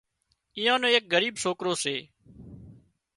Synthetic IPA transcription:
ɪːjãːnõːeːk̚ɡəɾiːbsoːkɾoːseː

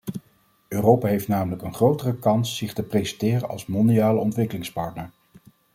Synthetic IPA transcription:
øːrowpaːɦejftnaːmələkənχrowtərəkɑnsːɪχtəprejzɛntɪːrənɑ̰lˠsmɔndiaːləɔntʋɪkəlɪŋspɑɹtnəɹ

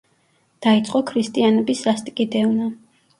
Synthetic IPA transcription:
d̪̥ait̪sʼqʼɔkʰɾist̪ʼianɛbisɾast̪ʼkʼid̪ɛvna

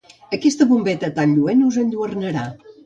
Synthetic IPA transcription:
əkɛst̪əβumbɛt̪ət̪anʎuɛnuzənʎuərnəɾa

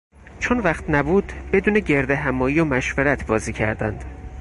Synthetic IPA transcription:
t͡ʃʰonvæχt̪næbuːd̪̥be̞d̪uːneɟe̞ɾd̪eɦæmɒːjiːjomæʃveɾæt̪ʰbɒːziːcʰæ̰ɾd̪æ̰nd̪̥

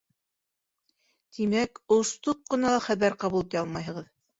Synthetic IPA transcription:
t̪ʰimækoʃt̪up̚qɤ̆nɑlˠɑχæβæɾqɑβulˠɤp̪jɑlˠmɑjɦɤ̆ʁɤð

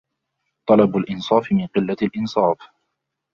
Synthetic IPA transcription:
t̪ˤɑlɑbʊlʔɪnsˤɑːfɪmɪnqɪlːalʔɪnsˤɑːf

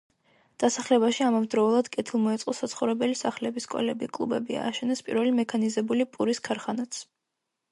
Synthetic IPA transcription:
d̪̥asaχlɛbaʃiamavd̪ɾɔulˠad̪̥kʼɛt̪ʰilˠmɔɛt̪sʼqʼɔsat̪sʰχɔvɾɛbɛlisaχlɛbiskʼɔ̰lɛbikʼlˠṵbɛbia̰ːʃɛnɛspʼḭɾvɛlimɛkʰanizɛbulipʼuɾiskʰaɾχanat̪sʰ

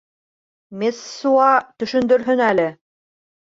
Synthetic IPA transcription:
mesːuɑt̪ɵ̆ʃɵ̆nd̪ɵ̆ɾɦɵnælɘ

